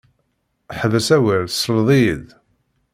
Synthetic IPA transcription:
ħðæsæwəɾslðˤið

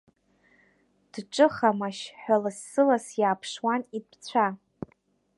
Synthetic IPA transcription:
d̥ʈ͡ʂʼɨχamaʃħʷᶣalasːɨlasjaːpʰʂwanidpʰt͡sʷʰa

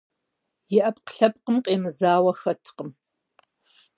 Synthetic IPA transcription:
jɪʔɐpqə̥ɬɐp̚qəmqʼeːmɨzaːwɐxɐtʰqəm

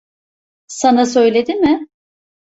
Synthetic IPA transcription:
sanasø̞jlʲed̪imɪ

